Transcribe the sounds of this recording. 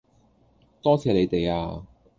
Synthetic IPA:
t̪ɔː˥t͡sʰɛː˧le˨˧jt̪e˨jaː˧

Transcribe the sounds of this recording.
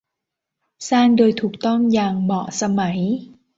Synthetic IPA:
saː˧˩ndoː˧˩jt̪ʰu˨˩k̚t̪ɔ˥˩mjaː˨˩ŋmɔ̰ː˨˩sa˧ma˩˦j

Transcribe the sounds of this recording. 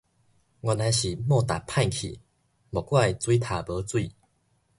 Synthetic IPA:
ŋwa˧na˧jɕi˨˩mɔ˥˧˨t̪a˨˩pʰa˥˧nkʰḭ˨˩ | bɔ˨˩kwa˥˧˨i˨t͡swi˦t̪ʰa˨˩bə˨˦t͡swi˥˧

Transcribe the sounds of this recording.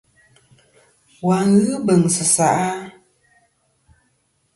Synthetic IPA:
wa˨ŋ̩˦ɣɨ˦bə˨ŋsɨ˨sa̰˨ʔa˦

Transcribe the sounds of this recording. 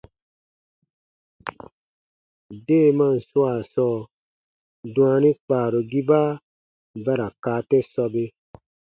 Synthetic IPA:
deː˦˨mã˦n̩˨su˦a˨sɔː˦˨ | dũ˦a˧nĩ˦k͡paː˨ɾo˨ɡi˦baː˦ | bɛ˦ɾa˨kaː˨˦˨tɛ˦sɔ˧be˧

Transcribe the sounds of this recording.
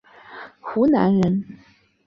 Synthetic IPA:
xu˧˥na̰˧˥nɻə˧˥n

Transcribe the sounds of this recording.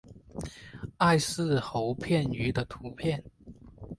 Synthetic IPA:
a˥˧ɪsɹ̩˥˩xo˧˥ʊpʰjɛ˥˩ny˧˥d̪ə˧t̪ʰu˧˥pʰjɛ˥˩n

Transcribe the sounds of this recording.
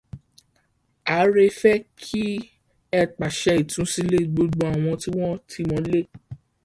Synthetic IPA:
a˨˦ɾe˦fɛ˦kʰi˦ | ɛ˦˨k͡pa˨ʃɛ˧i˨tũ˨˦si˦le˦˨ɡ͡bo˧ɡ͡bõ˧˦a˨w̃ɔ̃˧ti˦w̃ɔ̃˦tʰi˧mɔ̃˨˦le˦

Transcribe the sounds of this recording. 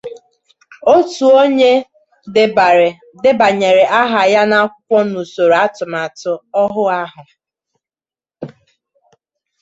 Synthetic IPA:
o˦tu˨o˦ɲe˦ | dɪ˨ɾ | dɪ˦ba˨ɲe˨ɾe˨ʔa˦ɦa˨ja˦na˦kʷɔ˦nu˨so˨ɾa˦tʊ˨ma˨tʊ˨ɔ˦ɦʊ˦a˦ɦʊ˨

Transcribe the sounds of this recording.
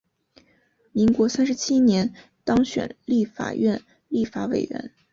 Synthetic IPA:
mi˧˥ŋkwɔ˧˥sa˥nʂɻ̩˧˥t͡ɕʰi˥njɛ˧˥n | t̪ɑ˥ŋɕɥɛ̰˨˩nli˥˩fa̰˨˩ɥɛ˥˧n | li˥˩fa˧˥wḛ˨˩ɪɥɛ̰˧˥n

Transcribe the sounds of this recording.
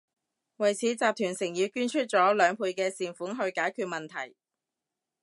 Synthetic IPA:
wɐ˨jt͡sʰiː˨˥t͡saː˨p̚t̪ʰyː˨˩nsɪ˨˩ŋjiː˨˧kyː˥nt͡ʃʰɵ˥t̚t͡sɔː˨˥lœː˨˧ŋpʰuː˧jkɛː˧siː˨nfuː˨˥nɦɵ˧ɥkaː˨˥jkʰyː˧t̚mɐ˨nt̪ʰɐ˨˩j

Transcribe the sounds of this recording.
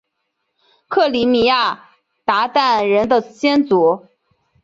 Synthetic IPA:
kʰɤ˥˩li˧˥mi˧˥ja˥˩ | t̪a˧˥t̪a˥˩nɻə˧˥nd̪ə˧t͡ɕjɛ˥nt͡su˧˥

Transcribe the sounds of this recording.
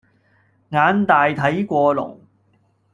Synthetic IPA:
ŋaː˨˧nt̪aː˨jt̪ʰɐ˨˥jkʷɔː˧lʊ̰˨˩ŋ

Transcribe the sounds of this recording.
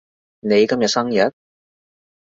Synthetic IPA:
ne˨˧jkɐ˥mjɐ˨t̚sɐ˥ŋjɐ˨˥t̚

